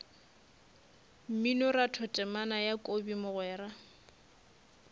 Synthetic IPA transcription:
m̩minɔratʰɔtʼɛmanajakʼobimʊɣwɛːɾa

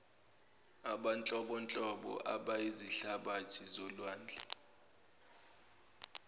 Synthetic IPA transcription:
aɓant͡ɬʼɔɓɔnt͡ɬʼɔɓɔ̰ʔa̰ɓaiziɬaɓat͡ʃʰizɔlwaːnd͡ɮʱa

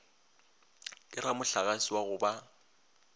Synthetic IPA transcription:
kʼɪramʊɬaɣasiwaɣʊba

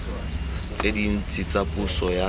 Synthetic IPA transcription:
t͡sedin̩t͡sʼit͡sʼapʼusɔja

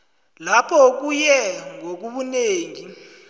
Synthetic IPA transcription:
lapʰɔk̬ujɛŋok̬uɓuneːŋi

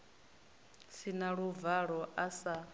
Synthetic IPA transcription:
sinaɺuvaɺɔʔasa

